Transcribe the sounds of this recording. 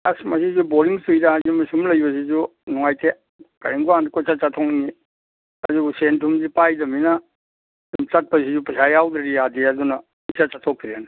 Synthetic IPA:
asmasizuboɾiŋsujdaazimisumlɐjbɐs̬izunɔŋajte | kaɾiŋɡuandikɔt͡ʃat͡ʃatʰɔŋni | aziɡusentʰumzipajdɐmina | dumt͡ʃat̚pas̬izupasajawdaɾiadiaduna | isat͡ʃatʰɔk̚ʰiɾena

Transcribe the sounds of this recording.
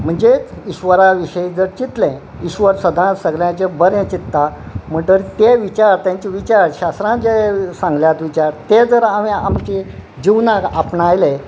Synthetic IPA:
m̤əɳd͡ʑeiɕʋəɾaʋiɕəid͡zəɾt͡ɕit̪lɛ̃ | iɕʋəɾsəd̪ʱãsəɡljãt͡ɕebəɾẽt͡ɕit̪ːam̤əɳʈ̪əɾt̪eʋit͡ɕaɾt̪jãɲt͡ɕiʋit͡ɕaɾɕast̪ɾãd͡ʑesãŋɡljat̪ʋit͡ɕaɾt̪ed͡zəɾamiamt͡ɕe | d͡ʑiwnakapnajle

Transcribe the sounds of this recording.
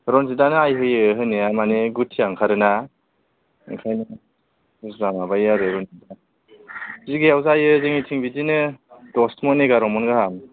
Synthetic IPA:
ɾɔnzidanɯajɦɯjɯɦɯnijamaneɡutʰijaŋkʰaɾɯna | ŋkʰajnɯ | zamabajaɾɯɾɔnida | ziɡijawzajɯzeŋitʰiŋbidinɯd̥ɔstmɔneɡaɾɔmɔnɡaham

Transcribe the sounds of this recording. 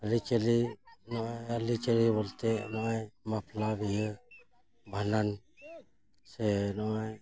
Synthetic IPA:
alit͡ʃalinɔajalit͡ʃəliβɔlt̪ɛnɔajmaplabijə | bʱanan | sɛnɔaj

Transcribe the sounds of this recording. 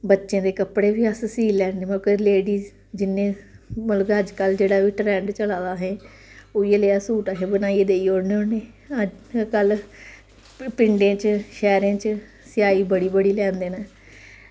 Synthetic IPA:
bətːʃẽːd̪eːkəpɽeːʋiːəssiːlɛːeːmkəleːɽiː | d͡ʒɪnẽːməlkəd͡ʒkəld͡ʒeːɽaːʋiːʈɾɛ̃ːɳɖt͡ʃəlaːd̪aːɦɛ̃ː | oːieleːaːsuːʈaɦẽːbənaːied̪eːiːoːɽneːoneː | əkəl | pɪɳɖẽːt͡ʃʃɛːɾẽːt͡ʃ | sɪjaːiːbəɽiːbəɽiːlɛ̃ːnd̪eːnaː

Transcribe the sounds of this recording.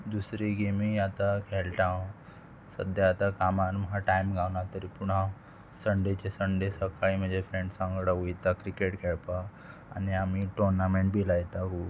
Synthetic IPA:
d̪usɾiɡemiat̪akʰeɭʈã | sə̰d̪ʱjaat̪akamaɾmɦaʈajmɡʱawnat̪əɾipuɳɦã | səɳɖet͡ɕesəɳɖesəkaɭim̤əd͡ʑefɾeɳɖsãŋɡɽaɦujt̪akɾikeʈkʰɛɭpa | a̰niamiʈoɾnamẽɳʈ̚bʱilajt̪ako

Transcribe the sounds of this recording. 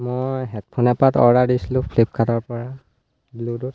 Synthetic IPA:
mɔjɦɛt̚pʰɔnɛpatɔ̰ɹadisilʊ̃pʰlip̚kʰatɔɹpɔɹa | bludut̚

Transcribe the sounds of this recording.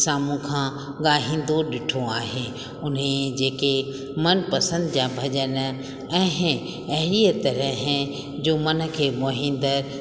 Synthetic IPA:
saːmũkʰãː | ɠaːɦĩːn̆d̪oɗɪʈʰoaːɦe | ʊnɦẽd͡ʑeːke | mɐnpɐsə̃nd̪d͡ʑabʱɐʄən̆ | ɛ̃ːɦ | ɐɦɪɾiət̪ɐɾəɦɛ̃ | d͡ʑoːmɐnə̆kʰeːmoːɦɪ̃n̆d̪əɾ

